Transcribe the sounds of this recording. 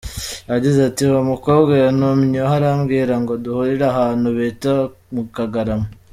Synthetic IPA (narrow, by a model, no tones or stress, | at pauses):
aɟizatiomukoːbɡanumɲoɦaɾamɡiːɾaŋɡoduhuɾiɾaɦanuβeta | mukaɡaɾamo